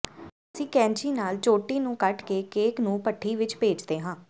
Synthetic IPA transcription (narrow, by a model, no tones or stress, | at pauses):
əsĩːkɛ̃ːɲt͡ʃiːnaːlt͡ʃoːʈiːnũːkəʈkeːkeːknũːpəʈʰːiːʋɪt͡ʃpeːd͡ʒd̪eːɦãː